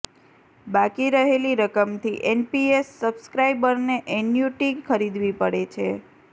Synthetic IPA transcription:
bakiɾəɦeliɾəkəmt̪ʰiʔenpiesːəbskɾajbəɾneʔɛnjuʈikʰːəɾid̪ʋipəɽet͡ʃʰe

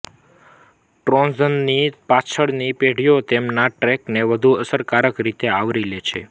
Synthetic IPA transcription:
ʈɾɔ̃nzənːipat͡ʃʰəɭnipeɽ̤ijot̪emnaʈɾɛkneʋəd̪ʱuəsəɾkaɾəkɾit̪eaʋɾilet͡ʃʰḛ

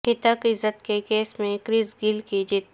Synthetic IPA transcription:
ɪt̪əkɪzət̪kekeːsmẽkɾɪzɡɪlkid͡ʒɪt̪

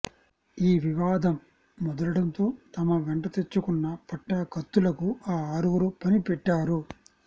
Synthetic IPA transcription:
iːʋiʋaːd̪ɐmː | ɔd̪ɐlɐɽɐnt̪o̞ːt̪ɐmɐʋeɳʈɐt̪e̞t͡ʃːukunːɐpɐʈːakɐt̪ːulɐkuaːaːɾuʋuɾupɐnipɛʈːaːɾu

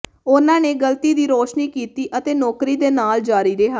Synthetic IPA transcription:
ʊnãːneːɡəlt̪iːd̪iːɾoːʃniːkiːt̪iːʔət̪eːnɔːkɾiːd̪eːnaːld͡ʒaːɾiːɾeɦaː

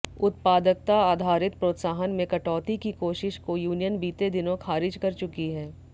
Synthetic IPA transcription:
ʊt̪̚paːd̪ək̚t̪aaːd̪ʱaːɾɪt̪̚pɾoːt̪saːɦənmẽkɐʈɔːt̪ikikoːʃɪʃkojuːnijənbiːt̪ed̪ɪnõxʰaːɾɪd͡ʒkɐɾt͡ʃʊkiɦɛː

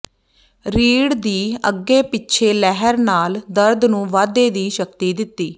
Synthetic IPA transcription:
ɾiːɽd̪iːə̰ɡːeːpɪtːʃʰeːlɛɦəɾnaːld̪əɾd̪nũːʋaːd̪eːd̪iːʃək̚t̪iːd̪ɪt̪ːiː

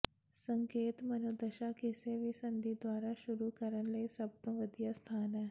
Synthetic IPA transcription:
səŋkeːt̪mɐnod̪ɐʃakiseʋisənd̪ʱid̪ʋaːɾaʃuɾukəɾənleisɐb̚nəʋəd̪jəst̪ʰaːne

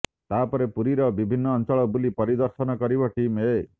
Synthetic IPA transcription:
t̪apɔɾepuɾiɾɔbibʱinːɔːnt͡ʃɔɭɔbulipɔɾid̪ɔɾʃɔnɔkɔɾibɔʈime

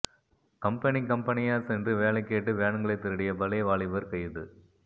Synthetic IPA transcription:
kɐmpɐnikɐmpɐnɪjaːsɛndrɯʋeːlɐɪkːeːʈːɯʋeːɳɐŋɡɐɭɐɪt̪ːɪɾɯɽɪjɐbɐlɐɪʋaːɭɪʋɐɾkɐjðɯ

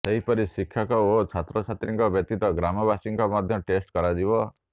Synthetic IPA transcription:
seɦipɔɾisikʰːjakɔot͡ʃʰat̪ɾɔt͡ʃʰat̪ɾiŋkɔbjɔt̪it̪ɔɡɾamɔbasiŋkɔmɔd̪ʱjɔʈesʈkɔɾad͡ʒibɔ

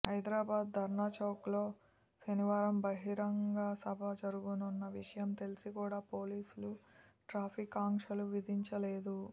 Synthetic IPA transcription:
ɦɐjd̪ɾaːbaːd̪̚d̪ʱɐɾɳaːt͡ʃaːklo̞ː | sɐniʋaːɾɐmbɐɦiɾɐŋɡaːsɐbʱɐd͡ʒɐɾuɡununːɐʋiʂɐjɐmt̪e̞lisikuːɽaːpo̞ːliːsuluʈɾaːpʰikaːŋkʂɐluʋid̪ʱiɲt͡ʃɐleːd̪u

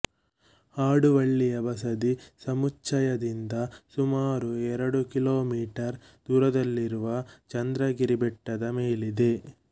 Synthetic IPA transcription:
aːɽuʋɐɭːijɐbɐs̬ɐd̪isɐmut͡ʃːɐjɐd̪ind̪ɐsumaːɾuɛɾɐɽukiloːmiːʈɐɾ | d̪̥uːɾɐd̪ɐlːiɾuʋɐt͡ʃɐnd̪ɾɐɡiɾibɛʈːɐd̪ɐmeːlid̪e̞

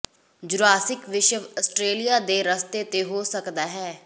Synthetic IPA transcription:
d͡ʒʊɾaːsɪkʋɪʃəəsʈɾeːlijaːd̪eːɾəst̪eːt̪eːɦoːsəkd̪aːɦɛː

